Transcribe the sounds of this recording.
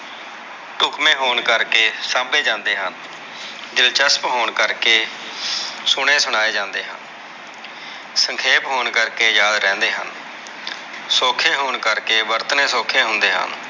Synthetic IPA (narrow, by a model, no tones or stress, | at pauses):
ʈʊkmẽːɦoːɳkəɾkeːsaːmbeːd͡ʒãːnd̪eːɦən | d̪ɪlt͡ʃəspɦoːɳkəɾkeː | sʊɽ̃ẽːsʊɽ̃aːeːd͡ʒãːnd̪eːɦə̰n | səŋkʰeːpɦoːɳkəɾkeːjaːd̪ɾɛ̃ːnd̪eːɦə̰n | soːkʰẽːɦoːɳkəɾkeːʋəɾt̪əneːsoːkʰẽːɦʊnd̪eːɦə̰n